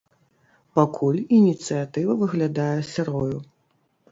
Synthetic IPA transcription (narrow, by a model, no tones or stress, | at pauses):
pakʰulʲinʲit̪sɨjat̪ɨvɐvɨɣlʲad̪ajɛsʲɛɾɔju